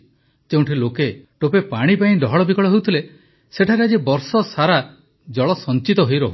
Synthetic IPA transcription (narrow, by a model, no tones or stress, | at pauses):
d͡ʒeũɳʈʰilokeʈopepaɽ̃ipaĩd̪ɔɦɔɭɔbikɔɭɔɦewt̪ʰile | seʈʰaɾead͡ʒibɔɾsɔsaɾa | d͡ʒɔɭɔsɔnt͡ʃit̪ɔɦojɾɔɦu